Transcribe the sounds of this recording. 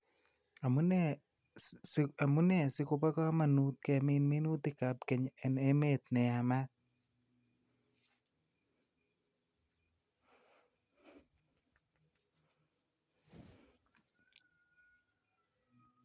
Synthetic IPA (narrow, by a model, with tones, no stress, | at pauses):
a˨munɛ | a˨mu˦nɛ˨sɪkʊ˧pa˦ka˦ma˨nu˦t̪̚kɛmɪ˦nmi˦nu˦t̪ɪ˦ka˨p̚kɛ˨ɲɛ˨ne˦me˦t̪̚nɛ˨a˨ma˦